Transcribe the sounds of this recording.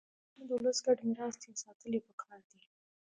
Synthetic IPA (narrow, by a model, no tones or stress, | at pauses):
məd̪əwləsɡaɖmiɾɑst̪esɑt̪əlepəkʰɑɾd̪i